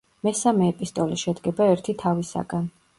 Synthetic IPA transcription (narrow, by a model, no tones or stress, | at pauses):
mɛsamɛːpʼist̪ʼɔliʃɛd̪ɡɛbaɛɾt̪ʰit̪ʰavisa̰ɡan